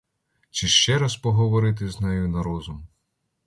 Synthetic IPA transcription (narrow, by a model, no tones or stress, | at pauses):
t͡ʃɪʃt͡ʃɛɾɐspɔɦɔʋɔɾɪt̪̬ɪznɛjʊnɐɾɔzʊm